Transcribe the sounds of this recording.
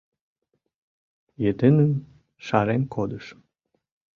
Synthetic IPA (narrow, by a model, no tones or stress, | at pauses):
jet̪ɘnən | ʃɑɾenkod̪əʃ